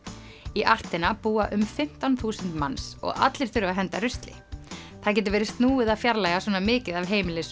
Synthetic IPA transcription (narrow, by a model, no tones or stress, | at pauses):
iʔar̥t̪ɪnapuːaʔʏmfɪm̥t̪anθuːsʏnt̪mansɔ̰ɣa̰t̪lɪɾ̥θʏɾʏvaɦɛnt̪arʏst̪lɪ̰ | θaðc̬ɛːt̪ʏɾvɛːɾɪst̪nuːɪðafjaɾlajasɔːnamɪːcɪðavɦeːjmɪlɪs